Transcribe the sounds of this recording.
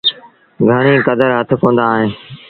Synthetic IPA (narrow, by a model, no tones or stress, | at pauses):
ɡʱəɽ̃ĩːkəd̪əɾɦət̪ʰkõːn̆d̪aːɦɪn